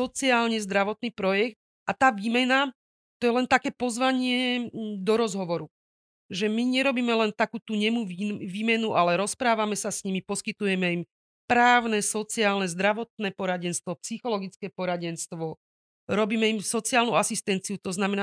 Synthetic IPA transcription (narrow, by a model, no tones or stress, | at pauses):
sɔt͡siaːlɲɛzd̪ɾaʋɔt̪̚niːpɾɔjɛkt̪̚ | ʔat̪aːʋiːmɛna | t̪ɔjɛlɛnt̪akɛːpɔzʋaɲɪɛd̪ɔɾɔzɦɔʋɔɾu | ʒɛmiɲɛɾɔbiːmɛlɛnt̪akuːt̪uɲɛmuʋiːmɛnuʔalɛɾɔspɾaːʋamɛsasɲimipɔskit̪ujɛmɛim | pɾaːʊnɛsɔt͡siaːlnɛzd̪ɾaʋɔt̪̚nɛːpɔɾaɟɛnst̪ʋɔpsixɔlɔɡit͡skɛːpɔɾaɟɛnst̪ʋɔ | ɾɔbiːmɛimsɔt͡siaːlnuasist̪ɛnt͡siut̪ɔznamɛna